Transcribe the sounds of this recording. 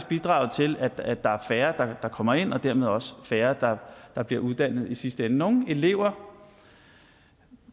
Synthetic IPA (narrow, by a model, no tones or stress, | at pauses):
sb̥id̥ʁɑ̈ʊt͡sʰe̝læ̥æd̥ɑ̈æɐfæːɐd̥ɑ̈d̥ɑ̈kʰɒ̽m̰ɐe̝n̰ɒ̽d̥æɐ̰með̞ˠɒ̽sə̥fæːɐd̥ɑ̈d̥ɑ̈b̥liɐuð̞ˠd̥æn̰ð̞̩ˠisisd̥əenəno̝ːŋn̩e̝le̝ʊ̰ɐ